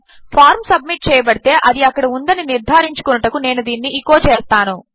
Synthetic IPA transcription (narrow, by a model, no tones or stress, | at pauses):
pʰaːɾmsɐbmiʈ̚t͡ʃɛːjɐbɐɽit̪e̞ːʔɐd̪iɐkːɐɽiund̪ɐniniɾd̪ʱaːɾiɲt͡ʃu̥kunɐʈɐkune̞ːnud̪iːnːiikːo̞ːt͡ʃeːst̪aːnu